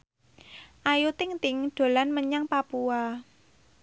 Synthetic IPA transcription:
ʔajut̪ɪŋt̪ɪŋɖ̪̥o̤lanməɲaŋpapua

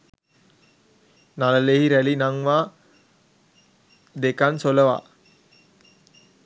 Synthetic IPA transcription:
naləlehiɾælinaŋʋaː | d̪ekansoləʋa̰ː

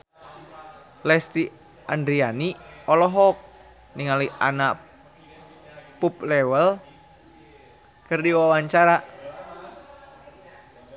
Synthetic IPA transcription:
lɛst̪i | andɾianiɔlɔɦɔk̚ | niŋaliʔa̰na | puplɛwəl | kɨrdiwawaɲt͡ʃaɾa

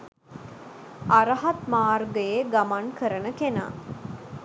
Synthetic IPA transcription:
aɾəɦat̪maːrɡəjeɡamankəɾənəkena̰

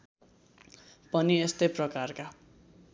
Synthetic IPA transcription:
pʌniest̪ʌjprʌkarka

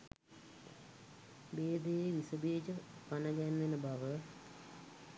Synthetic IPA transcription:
beːd̪ejeʋisəbeːd͡ʒəpanəɡɛnːenəbaʋə

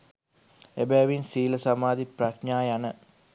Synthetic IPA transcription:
ebɛːʋinsiːləsamaːd̪ipraʃɲaːjanə

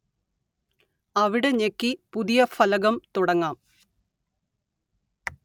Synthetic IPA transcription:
ɐʋiɽe̞ɲekːipuðijɐfɐlɐɣɐmt̪uɽɐŋːaːm

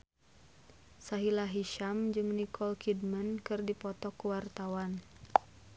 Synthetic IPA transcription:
saɦilaɦiʃamd͡ʒɨŋnikʰɔlkʰidmənkɨrdipɔt̪ɔkːuwart̪awan

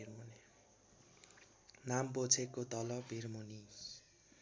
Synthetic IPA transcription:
ɾmon | nambot͡sʰekːot̪ʌlʌbʱiɾmonis

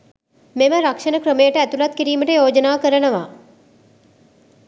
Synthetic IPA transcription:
meməɾakʂɐnəkɾəmejəʈəæt̪ulat̪kiɾiːməʈəjoːd͡ʒənaːkəɾənəʋa

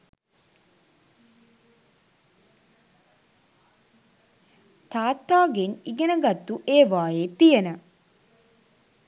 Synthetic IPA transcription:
t̪aːt̪ːaːɡeniɡenəɡɐt̪ːuʔeːʋaːjeːt̪ijənə

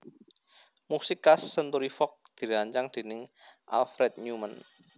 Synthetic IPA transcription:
musɪkasːənt̪uɾifɔk̚d̪̥i̤ɾaɲt͡ʃaŋd̪̥e̤nɪŋʔa̰lfɾɛt̪̚ɲumən

